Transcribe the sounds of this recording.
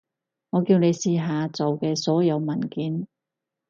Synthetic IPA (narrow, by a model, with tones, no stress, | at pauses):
ŋɔː˨˧kiː˧wne˨˧jsiː˧ɦaː˨˧t͡so˨wkɛː˧sɔː˨˥jɐ˨˧wmɐ˨˩nkiː˨˥n